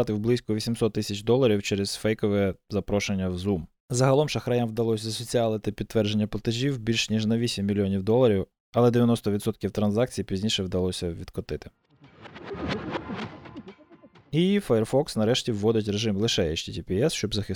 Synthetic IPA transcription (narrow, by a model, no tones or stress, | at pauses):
t̪ɪwblˠɪsʲkʊʋʲisʲimsɔt̪ːɪsʲɐt͡ʃd̪ɔlˠɐɾʲiwt͡ʃɛɾɛz̥fɛjkɔʋɛɛzɐpɾɔʃenʲːɐwzum | zɐɦɐlˠɔmʃɐxɾɐjamwd̪ɐlˠɔsʲzɐsɔt͡sʲiɑlˠɐt̪ɪpʲid̪̚t̪ːʋɛrd͡ʒenʲːɐplˠɐt̪eʒʲiwbʲilʲʃnʲiʒnɐʋʲisʲimʲːilʲijɔnʲiwd̪ɔlˠɐɾʲiw | ɐlˠɛd̪eʋʲjɐnɔst̪ɔʋʲid̪sɔt̪̚kʲiwt̪ɾɐnzɑkt͡sʲijipʲizʲnʲiʃɛwd̪ɐlˠɔsʲɐʋʲid̪kɔt̪ɪt̪ɪ̥ | ifɐjɛrfɔksnɐɾɛʃtʲiwːɔd̪ɪt̬ʲɾeʒɪmlˠɪʃɛɛt͡ʃt̪ʲitʲipʲiɛsʃt͡ʃɔbzɐxɪ